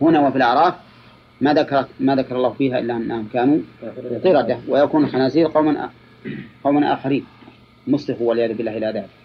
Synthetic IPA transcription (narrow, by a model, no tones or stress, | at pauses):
hʊnawafilʔɑʕɾˤɑːf | maːðakɑɾˤɑmaːðakɑɾˤɑlːˤɑːhfiːɦaʔɪlːaʔanːahʊmkaːnut̪ɨɾɑd̪awɪjakuːnlxanaːziːlqɑwmaʔa̰ | qɑwmanʔa̰ːxaɾiːn | mʊslɪxuwalʕjaːðʊbɪlːaːhɪlːaðaːbɪk